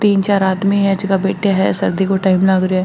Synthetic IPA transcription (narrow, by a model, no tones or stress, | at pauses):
t̪iːnt͡ʃaːɾaːd̪miːɦɛːd͡ʒɪkaːbeːʈjaːɦɛ̰ːsə̰ɾd̪iːkoːʈaːimlaːɡɾɪaː